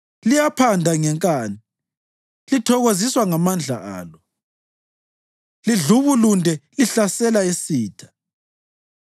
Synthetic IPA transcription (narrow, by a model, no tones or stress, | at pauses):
lijapʰandʱaŋɛŋkʼaːni | litʰɔɣoziswaŋamand͡ɮʱa̰a̰ːlɔ | liɮuβulundʱɛliɬasɛlaisiːtʰḁ